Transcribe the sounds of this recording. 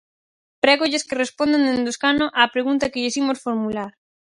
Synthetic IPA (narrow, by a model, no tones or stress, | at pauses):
pɾɛɣoʊʎɪskɪrespond̪end̪end̪oskanoʔaːpɾeɣunt̪ɐkɪʎɪsimosfoɾmulaɾ